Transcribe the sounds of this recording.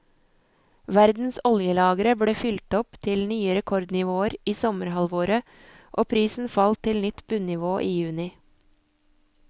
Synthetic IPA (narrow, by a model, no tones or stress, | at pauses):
ʋæɾd̪n̩sɔljəlɑːɡəɾəbɽeːfʏlt̪ɔpt̪ʰɪlnyːəɾɛkʰɔɾd̪nɪʋoːəɾiːsɔməɾhɑlʋoːɾə | ʔoːpʰɾiːsn̩fɑlt̪ʰɪlnʏt̪b̥ʉnnɪʋoːʔiːjʉːnɪ